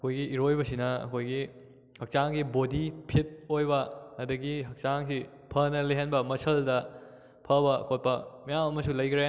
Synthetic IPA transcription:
ɐkʰojɡiiɾojbɐsinɐɐ̰kʰojɡi | hɐk̚t͡ʃaŋɡibodipʰit̚ojbɐɐdɐɡihɐk̚t͡ʃaŋsi | pʰɐnɐleɦenbɐmɐsɐldɐ | pʰɐbɐ̰kʰot̚pɐmɐjamɐmɐsulɐjkʰɾe

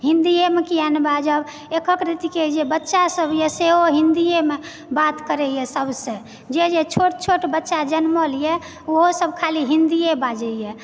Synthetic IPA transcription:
ɦĩnd̪iemekijanbad͡ʒəb | ekəkɾit̪iked͡ʒebətːʃasəbjeseɦoɦĩnd̪ijeme | bat̪kəɾɛjɛsəbsẽ | d͡ʒed͡ʒet͡ʃʰoʈ̚t͡ʃʰoʈbətːʃad͡ʒənməlije | oɦosəbʱkʰaliɦĩnd̪ijebad͡ʒɛijɛ

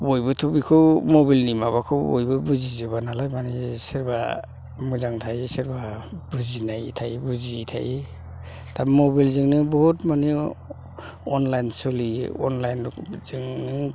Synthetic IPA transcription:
bojbɔtʰɔbikʰɯwmɔbilnimaβakʰɯbɔjbɔbuzizibanalajmaniseɾba | mɯzaŋtʰajsɛɾbabuzinajtʰajbuzitʰa̰j | tʰamɔbilziŋnɯbɔɦutmane | ɔnlajnsɔliɔ̰nlajnz̥iŋni

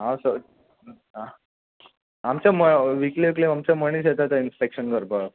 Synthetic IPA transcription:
ɦãsə | ɦã | amt͡ɕaməʋikleklemamt͡ɕaməɳis̬et̪at̪ainspekɕənkəɾba

